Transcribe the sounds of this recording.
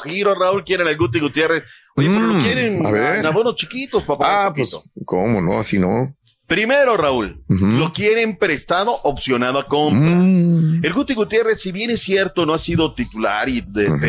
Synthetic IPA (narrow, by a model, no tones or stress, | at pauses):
xiɾoraulkjeɾenelɡut̪̬iɣut̪je̞res | ojepolokje̞ɾenaβeɾnaβonost͡ʃikit̪o̞spapaaapokomono̰asino | pɾime̞ɾo̞raul̩lo̞kje̞ɾempɾe̞st̪aðo̞ʔopsjo̞naðoako̞mpɾae̞lɡut̪iɣut̪je̞resːiβje̞nesːje̞ɾt̪o̞no̞asiðo̞t̪it̪ula̰ɾidep